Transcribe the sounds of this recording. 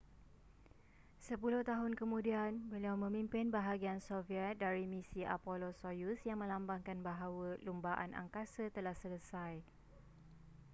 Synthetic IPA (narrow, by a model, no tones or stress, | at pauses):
səpulʊht̪aɦʊnkəmũdianbəliawmə̃mĩmpɪnbaɦaɡiansofiɛt̪̚daɾimĩsiʔa̰polosojusjaŋmə̃lambaŋkanbaɦawəlumbaʔa̰na̰ŋkasət̪əlahsələsaj